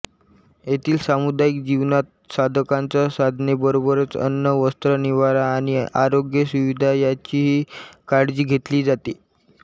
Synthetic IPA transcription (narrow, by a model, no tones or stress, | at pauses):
jet̪ʰiːlsamud̪aikd͡ʑiʋnat̪̚sad̪ʱkãnt͡sasad̪ʱnebəɾobəɾət͡sə̰nːəʋəst̪ɾəniʋaɾaːɽ̃iaɾoɡjəsuʋid̪ʱajat͡ɕiːɦiːkaɽd͡ziːɡʱet̪liːd͡zat̪iː